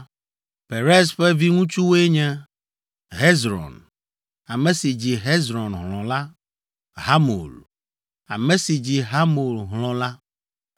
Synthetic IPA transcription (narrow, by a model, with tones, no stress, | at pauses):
pe˨ɾe˦sɸɛ˦vi˦ŋũ˦t͡ʃu˦wo˦e˦ɲɛ̃˦ | ɦe˦zɾɔ̰˨n | a˨mẽ˨si˨d͡ʑi˨ɦe˦zɾɔ˨nɦl̃ɔ̃˨la˦ | ɦa˦mo̰˨l | a̰˨mɛ̃˦si˨d͡ʑi˨ɦa˦mo˨lɦlɔ̃˨la˦